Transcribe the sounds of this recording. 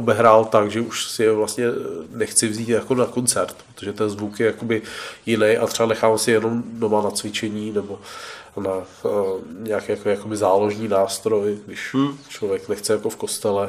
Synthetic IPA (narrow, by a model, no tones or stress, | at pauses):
obɛɦɾaːlt̪akʒɛʔuʃsɪjɛvlast̪ɲɛnɛxt͡sɪvziːt̪jako̞nako̞nt͡sɛɾt̪̚pɾɾot̪oʒɛt̪ɛnzvukjɛjako̞bɪjɪnɛjʔat̪ɛanɛxaːmɛsɪjɛno̞mdo̞manat͡svɪt͡ʃɛɲiːnɛbo̞na | ɲɛakɛjakoɛːjako̞bɪzaːlo̞ʒniːnaːst̪ɾo̞jɡdɪʃt͡ʃlovjɛknɛxt͡sɛjako̞fko̞st̪ɛlɛ